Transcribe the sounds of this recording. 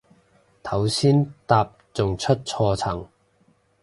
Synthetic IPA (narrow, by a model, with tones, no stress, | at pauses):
t̪ʰɐ˨˥wsiː˥nt̪aː˧p̚t͡sʊ˨ŋt͡ʃʰɵ˥t̚t͡sʰɔː˧t͡sʰɐ˨˩ŋ